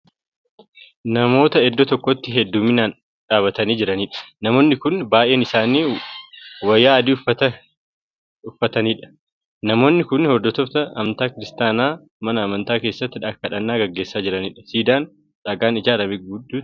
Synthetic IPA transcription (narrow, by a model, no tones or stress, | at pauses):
nɐmo̞ːt̪ɐɛd̪ːɔt̪ɔkːɔt̪ːɪɦɛd̪ːuːmɪnaːn | ᶑaːbɐt̪ɐniːd͡ʒɪɾɐniːᶑɐ̥nɐmo̞ːnːɪkʊnbaːʔeːnɪsaːniː | wɐjːaːɐd̪iːʊfɐɐ | ʊfːɐt̪ɐniːᶑɐ̥ | nɐmo̞ːnːɪkʊnhɔd̪ːɔt̪ɔft̪ɐʔɐmnt̪aːkɪɾɪst̪aːnaː | mɐnɐːmɐnt̪aːke̞ːsːɐt̪ːɪᶑɐkːɐᶑɐnːaːɡɐɡːe̞ːsːaːd͡ʒɪɾɐniːᶑɐ̥siːd̪aːn | ᶑɐɡaːnɪd͡ʒaːɾɐbɪɡɡʊd̪ːuː